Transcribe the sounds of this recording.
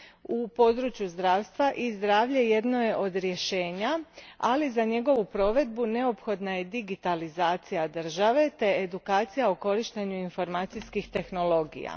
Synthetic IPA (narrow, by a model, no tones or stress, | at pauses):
upo̞d̪ɾut͡ʃjuzd̪ɾaːʋst̪ʋaʔizd̪ɾaːʋʎe̞je̞d̪noje̞ʔo̞d̪ɾje̞ʃe̞ːɲaalizaɲe̞ɡo̞ʋupɾo̞ːʋe̞d̪̚bune̞o̞pxo̞d̪naje̞d̪iɡit̪alizaːt̪sijad̪r̩ʒaʋe̞t̪e̞ːd̪ukaːt̪sijaoko̞ɾiʃt̪e̞ɲuinfo̞ɾmaːt̪sijskixt̪e̞xno̞lo̞ɡḭja̰